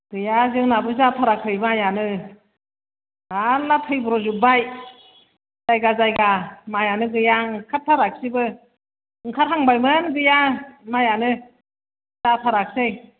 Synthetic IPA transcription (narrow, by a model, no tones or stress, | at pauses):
ɡ̥ɯjazɯŋnabɯzapʰaɾakʰɯjmajanɯ | alːatʰɯjbɯɾɔzubaj | z̥ajɡazajɡamajanɯɡɯjaŋkʰattʰːaɾak̚sibɯ | ɯŋkʰaɾɦaŋbajmɯnɡɯjamajanɯ | zapʰaɾak̚sej